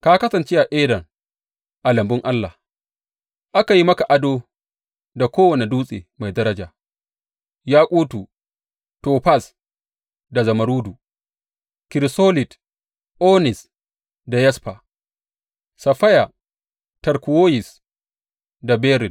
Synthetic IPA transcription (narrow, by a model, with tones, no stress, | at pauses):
ka˦kɐ˦sɐ˨nt͡ʃe˦ʔa˨ʔeː˦dɐ˨ŋ | ʔa˨lɐ˨mbʊ˦ŋʔa˦lːaː˨h | ʔa˦ka˨ji˦mɐ˦ka˨ʔa˦doː˦ | da˨kʷoː˦wɐ˨ne˨duː˦sʼḛː˨ma˨jdɐ˦ɾɐ˦d͡ʒaː˨ | jaː˦kʼuː˦tu˨ | toː˨ɸa˦˨s | da˨zɐ˨mɐ˨ɾuː˦du˨ | kɪ˨ɾsoː˦lɪ˨t | ʔoː˦nɪ˨s | da˨jɛ˦spa˨ | sɐ˨ɸɐ˦ja˨ | tɐ˨ɾkʷu˨woː˦jɪ˨s | da˨bɛː˦ɾɪ˨d